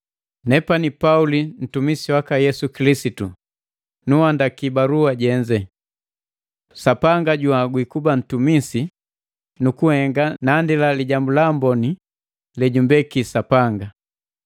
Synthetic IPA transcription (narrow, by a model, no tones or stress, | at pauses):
nɛpanipaulin̩tumisiwakajɛsukilisitu | nuhandakibaɾuaɟɛɲd͡ʒɛ | sapaŋɡaɟuaɡwikuban̩tumisi | nukuhɛŋɡanaːndilaliɟambulambɔni | lɛɟumbɛkisapaŋɡa